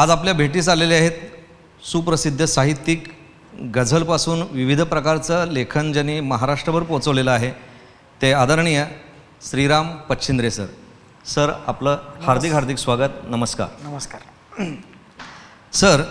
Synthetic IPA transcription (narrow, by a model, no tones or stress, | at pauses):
ad͡zapljabʱeʈiːt͡saleliaɦet̪ | suːpɾəsid̪ʱːəsaɦit̪ːik | ɡəd͡zʱəlpasuːnʋiʋid̪ʱpɾəkaɾt͡səlekʰənd͡ʑanːiməɦaɾaʂʈɾəʋəɾpot͡səʋleləaɦe | t̪ead̪əɾɳijə | sɾiɾampətɕʰind̪ɾesə̰ɾ | səɾa̰pləhaɾd̪ʱikɦaɾd̪ʱiksʋaɡət̪nəməska̰ɾ | səɾ